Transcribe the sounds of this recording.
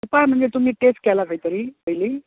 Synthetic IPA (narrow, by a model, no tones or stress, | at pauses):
supajm̤əɳd͡zet̪um̤iːʈesʈ̚kɛlakəit̪əɾiːpəiliː